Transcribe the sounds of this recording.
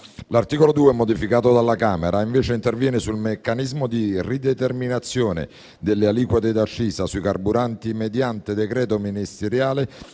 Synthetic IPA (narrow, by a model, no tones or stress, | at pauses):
lart̪iːkolod̪uːeɛmod̪ifikaːt̪od̪alːakaːmeɾaiɱveːt͡ʃeint̪ervjɛːnɪsulmekːanizmod̪irid̪et̪erminat̪sːjoːnḛ | d̪elːealiːkwat̪ed̪at͡ʃːiːsasuikarbuɾant̪imed̪jant̪ed̪ekɾɛːt̪ominist̪eɾjaːle